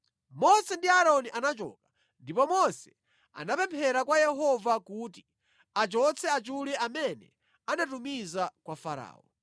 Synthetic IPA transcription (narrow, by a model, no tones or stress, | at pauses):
mɔsɛndiaɾɔniʔanat͡ʃɔ̰ːkḁ | ndipɔmɔsɛ | a̰napɛmpʰɛɾakwajɛɦɔvakuti | at͡ʃɔt͡sʰɛat͡ʃulɛʔamɛnɛ | anatumizakwafaɾa̰ːɔ